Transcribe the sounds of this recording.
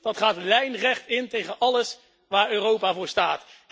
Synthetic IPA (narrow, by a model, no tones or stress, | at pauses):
d̥ɑtχaːtlɛjnrɛχtɪntejχənʔɑləs | ʋaːɹøːrowpaːvʊːɹstaːt